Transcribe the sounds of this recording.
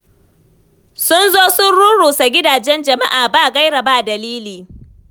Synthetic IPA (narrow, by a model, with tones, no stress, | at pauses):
sʊ˦nzoː˦sʊ˦nɽu˦ɽuː˨sa˨ɡʲɪ˦daː˨d͡ʒɛ˦nd͡ʒɐ˨ma˦ʔaː˨baː˦˨ɡa˦jɽa˨ba˦˨dɐ˨liː˦liː˨